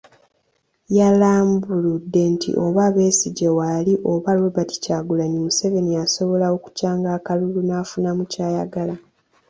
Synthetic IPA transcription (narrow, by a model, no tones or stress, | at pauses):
jalaːmbuludːe̞ntʰḭʔo̞βaβe̞ːsiɟewaliʔo̞βaloβati̥caːɡulanimuse̞ve̞nijaso̞βo̞lawoku̥caːŋɡaːkalulunafunamucaːjaɡala